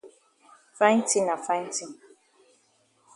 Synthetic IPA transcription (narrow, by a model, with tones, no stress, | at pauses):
fa˦ɪ˦n̩˦ti˦na˨fa˦n̩˦ti˦